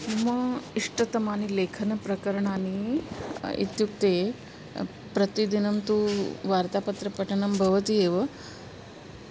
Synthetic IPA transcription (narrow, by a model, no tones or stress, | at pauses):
mɐiʂʈɐt̪ɐmaːnileːkʰɐnɐpɾɐkɐɾɐɳaːni | ḭt̪juk̚t̪e | pɾɐt̪id̪inɐmt̪uːʋaːɾt̪aːpɐt̪ɾɐpɐʈʰɐɳɐmbʱɐʋɐt̪ieːʋɐ